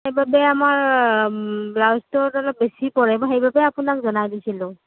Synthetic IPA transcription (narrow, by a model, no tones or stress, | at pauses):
hejbabɛamaɹ | blawstɔtɔlɔp̚besipɔɹɛbaxejbabɛapʊnakzɔnajdisilʊ̃